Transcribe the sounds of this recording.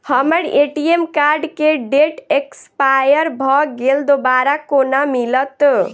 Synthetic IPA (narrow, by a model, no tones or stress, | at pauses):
həməɾeʈiemkaɾɖkeɖeʈekspajəɾbʱɔɡeld̪obaɾakonamilət̪